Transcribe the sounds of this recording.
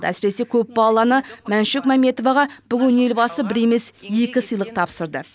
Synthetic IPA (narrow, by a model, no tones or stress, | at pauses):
d̪ə̰æsɪɾe̞se̞kʲʰɵp̚bɑlˠɑnəmænʃɪkmæme̞t̪o̞vɑʁɑb̥ʏɡʲɪne̞lbɑsəbɪɾe̞me̞sje̞kʲɪsəjlˠəq̚t̪ʰɑpsəɾd̪ə